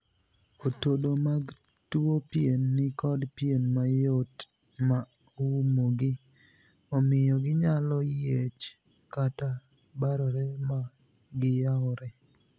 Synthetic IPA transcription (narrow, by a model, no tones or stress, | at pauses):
otodomaɡ | tuopjenːɪkɔdpjenmajot | ma | umoɡɪ | ɔmɪjɔɡɪɲalɔjjet͡ʃ | kata | baɾɔɾɛma | ɡɪjaɔɾɛ